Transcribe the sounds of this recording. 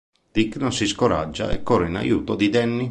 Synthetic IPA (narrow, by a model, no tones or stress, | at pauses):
d̪̥ikːnɔnsiskoɾa̰d͡ʒːa̰ɛ̰kːɔːɾeina̰juːt̪od̪id̪ɛnːi